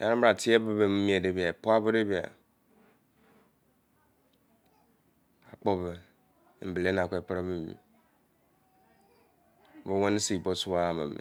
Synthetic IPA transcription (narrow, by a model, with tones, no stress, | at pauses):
ja˨˦ɾa˦ba˨tʰi˦e˦bo˦be˨mi˦mi˦e˨de˦bi˨a˨po˦a˦bo˦de˦bi˦˨a̰˨ | a˨k͡po˦bɛ˨˦˨ | ble˨˦n˨a˨kʷe˦˨pɾa˦mi˨mḭ˨˦ | bo˦a˦ni˦si˦˨bo˦su˦a˦˨ma̰˨mḛ˨